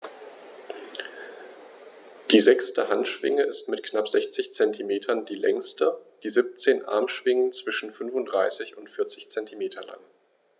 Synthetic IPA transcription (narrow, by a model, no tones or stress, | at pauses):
d̥iːzɛkstəhantʃv̥ɪ̰ŋəɪstmɪtknapz̥ɛçt͡sɪçt͡sɛntʰimeːtʰɐndiːlɛ̰ŋstəd̥iːzip̚t͡seːnʔa̰ɐmʃv̥ɪŋənt͡sv̥ɪʃn̩fʏnvʊntd̥ʁaɪsɪçʊntfɪɐt͡sɪçt͡sɛntʰimeːtʰɐla̰ŋ